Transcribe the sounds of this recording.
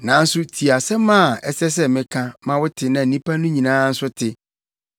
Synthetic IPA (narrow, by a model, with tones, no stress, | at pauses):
nã˨n̩˦sʊ˦tʰi˨a˨sɛ˦mã˦˨ɛ˨sɛ˦s̬ɛ˦mɪ̃˦kʰã˦mã˦wʊ˦tʰɪ˨nã˨n̩˨nĩ˦pʰa˦nʊ̃˦ɲĩ˨nãː˦n̩˦sʊ˦tʰɪ˨